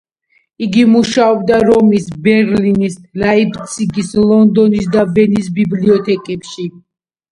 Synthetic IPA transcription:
iɡimuʃaɔbd̪aɾɔmisbɛɾlinislaipʰt̪sʰʼiɡislˠɔnd̪ɔnis̬d̪avɛnisbibliɔt̪ʰɛkʼɛpʃi

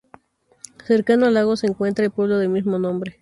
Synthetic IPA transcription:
se̞ɾkanoalaɣoseːŋkwe̞nt̪ɾaelpwe̞βloðelmizmonõmbɾe

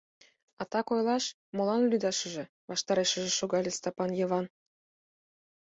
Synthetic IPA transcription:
ɑt̪ɑkojlˠɑʃ | mŏlɑnlyd̪ɑʃə̆ʒĕ | βɑʃt̪ɑɾeʃə̆ʒĕʃoɣɑlʲĕst̪ɑpɑnjɤ̆βɑn

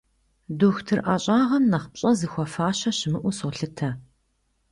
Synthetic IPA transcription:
duːxtʰɨrʔaːɕʼaːʁɐmnɐχp̚ɕʼɐzɨxʷɔfaːɕɐɕɪmɨʔʷʊsʁʷʊɬɨtʰɐ

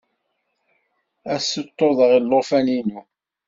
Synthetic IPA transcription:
æsːət̪ːoðˤəʁilːofæninu

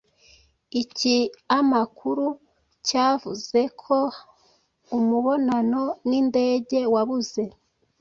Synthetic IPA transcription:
iciamakʰuɾu | caːvuze̞kʰo̞ | umuβo̞nano̞niːnde̞ːɟe̞waβuze̞

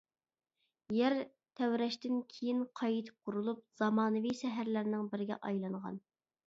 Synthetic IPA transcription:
jæɾ | t̪ʰɛwɾɛʃt̪ɪnkʲʰejinqʰɑjit̪ʰɪ̥p̚qʰʊɾulˠup̚z̥ɑmɑːnɨviʃɛɦæɾlæɾnɪŋbɪɾɪɡʲɛ̰ʔɑjlˠɑɴʁɑ̰n

